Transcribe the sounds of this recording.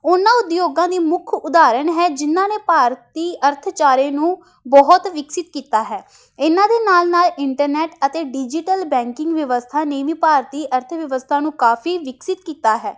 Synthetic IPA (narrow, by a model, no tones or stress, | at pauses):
ʊnãːʊd̪joːɡãːd̪iːmʊkʰʊd̪aːɾəɳɦɛːd͡ʒɪnːãːneːpaːɾət̪iːʔəɾt̪ʰt͡ʃaːɾẽːnũː | bɔːɦʊt̪ʋɪksɪt̪kiːt̪aːɦɛː | ɪnãːd̪eːnaːlnaːlɪɳʈəɾnɛːʈət̪eːɖɪd͡ʒɪʈəlbɛ̃ːŋkɪ̃ŋɡʋjəʋəst̪ʰaːneːʋiːpaːɾt̪iːʔəɾt̪ʰʋəʋəst̪ʰaːnũːkaːfʰiːʋɪksɪt̪kiːt̪aːɦɛː